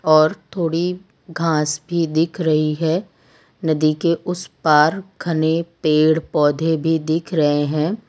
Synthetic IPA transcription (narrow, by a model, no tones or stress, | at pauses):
ɔːɾt̪ʰoːɽi | ɡʱãːsbʱid̪ɪkʰɾɐɦiɦɛː | nɐd̪ikeʔʊspaːɾkʰɐnepeːɽpɔːd̪ʱebʱid̪ɪkʰɾɐɦeɦɛ̃ː